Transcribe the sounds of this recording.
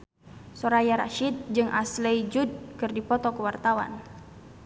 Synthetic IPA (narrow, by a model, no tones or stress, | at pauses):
sɔɾajaɾa̰ʃid̪̚d͡ʒɨŋʔa̰slɛjd͡ʒud̚kɨrdipɔt̪ɔkəwart̪awa̰n